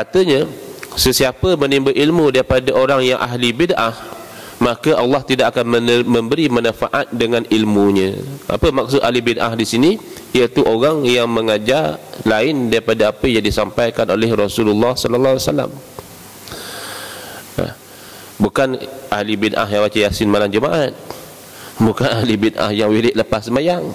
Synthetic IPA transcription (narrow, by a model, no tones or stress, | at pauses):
kat̪əɲasəsiapəmənimbəʔilmudaɾipadaʔoɾaŋjaŋʔaɦlibidʔah | makəʔalːɑht̪idaʔk̚akanməmə̃mbəɾimənafaʔat̪̚dəŋãnilmuɲə̃ʔa̰pəmak̚sʊt̪̚aɦlibidʔa̰ɦdisini | ijət̪uʔoɾaŋjaŋməŋad͡ʒarlaɪndaɾipadaapəjaŋdisampajkanolɛhrɔsululːɑhsɔlɔlːawasala̰m | a̰h | bukanʔahlibidʔa̰hjaŋwat͡ʃajasɪnmalamd͡ʒəmaʔat̪̚ | bukanaɦlibidʔa̰hjaŋwilɪʔləpasəmajaŋ